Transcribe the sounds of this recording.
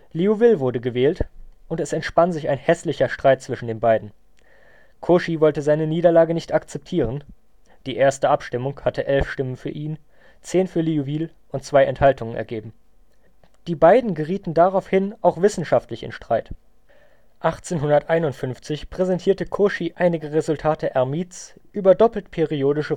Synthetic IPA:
liuvɪlvʊɐdəɡəvɛːltʔʊntɛsɛntʃpanzɪça̰ɪnhɛslɪçɐʃtʁ̥aɪt̚t͡sv̥ɪʃn̩deːnbaɪdn̩ | kʰoʃivɔltəzaɪnəniːdɐlaːɡənɪçtakt͡sɛp̚tʰiːʁən | d̥iːʔeːɐstəʔapʃtɪmʊŋhatəʔɛlfʃtɪmənfyːɐʔiːn | t͡seːnfyːɐliuvɪl | ʔʊntt͡sv̥aɪɛnthaltʰʊŋənʔɛ̰ɐɡeːbm̩ | d̥iːbaɪdn̩ɡəʁiːtn̩daʁaʊfhɪnʔaʊxv̥ɪsn̩ʃaftlɪçɪ̰nʃtʁ̥aɪt | ʔaχt͡seːnɦʊndɐtʔaɪnʊntfʏnft͡sɪçpʁ̥ɛzɛntʰiːɐtəkʰoʃiʔaɪnɪɡəʁezʊltʰaːtʰəʔɛɐmiːtsʔyːbɐdɔpl̩tpʰeʁioːdɪʃə

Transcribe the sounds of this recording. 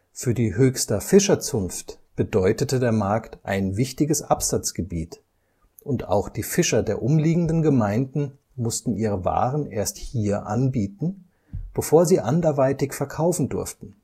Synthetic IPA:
fyːɐdiːɦøːçstɐfɪʃɐt͡sʊnftb̥ədɔʏtətədeːɐmaɐktʔa̰ɪnvɪçtɪɡəsʔapz̥at͡sɡ̥əbiːt | ʔʊnta̰ʊxd̥iːfɪʃɐdeːɐʔʊmliːɡŋ̩dənɡəmaɪndn̩ | mʊstn̩ʔiːʁ̞əva̰ːʁənʔeːɐsthiːɐʔa̰nbiːtn̩ | b̥əfoːɐziːʔandɐɐvaɪtɪçfɛɐkʰaʊfn̩dʊ̰ɐftn̩

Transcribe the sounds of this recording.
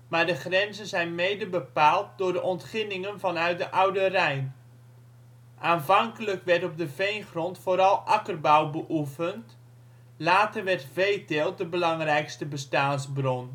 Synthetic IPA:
maːɹdəχrɛnzənzɛjnmejdəbəpaːlˠt̚dʊːɹdəʔɔntχɪnɪŋənvɑnœɥt̚dəʔawdərɛjn | ʔaːnvɑŋkələkʋɛɹtɔp̚dəvejnχrɔntfoːɾɑlˠʔɑkərbawbəʔufənt | laːtərʋɛrtvejtɪːlˠdəbəlɑŋrɛjkstəbəstaːnzbrɔn

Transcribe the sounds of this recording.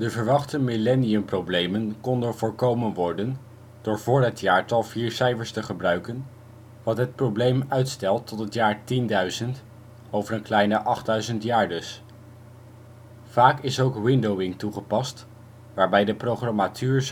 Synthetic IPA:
dəvəɹʋɑχtəmilɛniəmprowblejmənkɔndənvʊːɹkowmənʋɔɹdən | d̥ʊːɹvʊːɹɦətjaːɹtɑlˠviːɹsɛjvəɹstəχəbrœɥkən | ʋɑtɦət̚prowblejmœɥtstɛlˠtːɔtɦətjaːɹtindœɥzənt | owvəɹənklɛjnəʔɑχdœɥzəntjaːɹdəs | v̥aːkɪsowkwɪndowɪŋtuχəpɑst | ʋaːɹbɛjdəprowχrɑmatʰyːɹs

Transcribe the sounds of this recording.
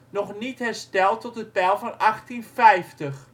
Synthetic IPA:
nɔχnitɦɛrstɛlˠtɔtət̚pɛlˠvɑnɑxtinfɛjftəx

